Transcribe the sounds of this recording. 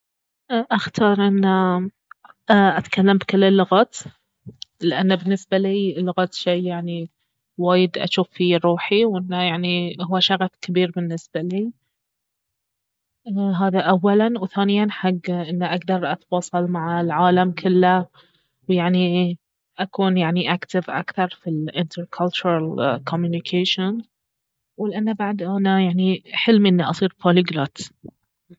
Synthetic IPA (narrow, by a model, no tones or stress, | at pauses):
ʔaxt̪ʰɑːɾˤʔɪnːa | ʔat̪kalːambkɪlːɪlːʊɣaːt̪ | lɪʔanːabɪnːɪsbaliːlːʊɣɑːt̪ʃeːjaʕni | waːjɪd̪ʔa̰ʃuːfiɾˤuːħiwʔɪnːajaʕnihʊwːaʃaɣɑfkabiːɾbɪnːɪsb̥aliː | ɦaːðaʔawːalanwθaːnɪjanħaɡːʔɪnːaʔaɡd̪ɑɾˤʔɑt̪wɑːsˤɑlmaʕalʕaːlamkʰʊlːa | wjaʕni | ʔakuːnjaʕniʔakt̪ɪvʔa̰kθɑɾˤfilʔɪnt̪ʰəɾkʰalt͡ʃʊɾˤalkʰomjunɪkʰeːʃɪn | wɪlʔanːabaʕd̪ʔanajaʕniħɪlmʔɪnːiʔɑsˤiːɾfolɪɡlat̪